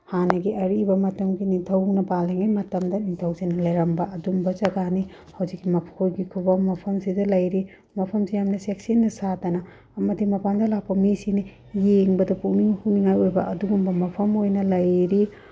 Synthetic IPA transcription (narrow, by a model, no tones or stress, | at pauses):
hanɐɡiʔɐɾibɐmɐtɐmɡinitʰɐwnɐbaleŋajmɐtɐmdɐnitʰɐwsinɐlɐjɾɐmbɐɐdumbɐzɐɡani | hɐwd͡ʒikːimɐpʰkʰojɡikʰubɐmɐpʰɐmsidɐlɐjɾi | mɐpʰɐmsijamnɐsek̚sinːɐsatɐnɐː | mɐdimɐpandɐlapːɐmisini | jeŋbɐdɐpuʔniŋhuniŋajojbɐʔɐduɡumbɐmɐpʰɐmojnɐlɐjɾi